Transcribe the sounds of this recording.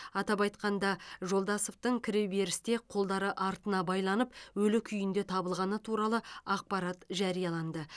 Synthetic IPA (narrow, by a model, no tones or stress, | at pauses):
ɑt̪ɑpɑjt̪qɑnd̪ɑʒo̞lˠd̪ɑsoft̪əɴkʲʰɪɾewbe̞ɾɪst̪e̞qʰo̞lˠd̪ɑɾəʔɑɾt̪ənɑbɑjlˠɑnəpwɵlɪkʲʰʏjɪnd̪e̞t̪ʰɑbəlˠʁɑnət̪ʰuɾɑlˠəɑq̚pɑɾɑt̪ʒɑɾijɑlˠɑnd̪ə